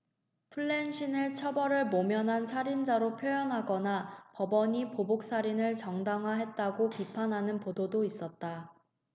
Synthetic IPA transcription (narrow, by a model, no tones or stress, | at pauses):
pʰuɭːe̞nɕʰinɯɭt͡ɕʰʌbʌɾɯɭmomjʌnɦansʰaɾind͡ʑaɾopʰjojʌnɦaɡʌnapʌbʌɲipobok̚s͈aɾinɯɭt͡ɕʌŋdaŋɦaɦet̚t͈aɡopipʰanɦanɯnpododois͈ʌt̚t͈a